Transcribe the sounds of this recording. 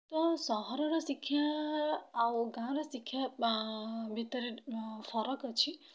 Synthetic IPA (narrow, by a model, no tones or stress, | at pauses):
t̪ɔsɔɦɔɾɔɾɔsikʰːjaː | ɡãɾɔsikʰːja | bʱit̪əɾifʰɔɾɔkət͡ʃʰi